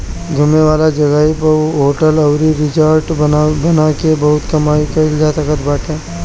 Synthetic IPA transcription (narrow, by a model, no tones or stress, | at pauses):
ɡʱʊmeʋaːlad͡ʒɐɡaːipɐɦoːʈəlɐʊɾiɾɪd͡ʒaɾʈbɐnakebɐɦʊt̪kɐmaːikɐɪld͡ʒaːt̪akəɾbaːʈɦɛ̃ː